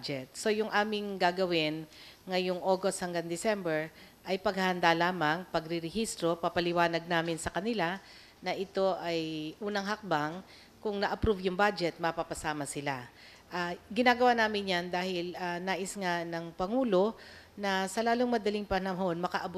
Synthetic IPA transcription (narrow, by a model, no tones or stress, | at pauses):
d͡ʒɛt̪̚so̞jʊŋʔaːmɪŋɡaːɡɐwɪnŋɐjoŋʔoːɡost̪̚hɐŋɡaŋd̪ɪsɛmbɛɹ | ʔɐjpɐɡhɐhɐnd̪alaːmɐŋpɐɡɾɪɾɛhist̪ɾo̞papɐlɪwaːnɐɡ̚naːmɪnsɐkɐnɪla | nɐʔɪt̪o̞ʔɐjʔuːnɐŋɦɐk̚baŋ | kʊŋnɐʔɐpɾuvjʊŋbad͡ʒɛt̪̚mɐpapɐsaːmɐsɪla | ʔaɡɪnaːɡɐwaːnaːmɪnjand̪aːhɪlanaːʔɪsŋanɐŋpɐŋuːlo̞ | nɐsɐlaːloŋmɐd̪ɐlɪŋpɐnɐmɦonmɐkɐʔɐb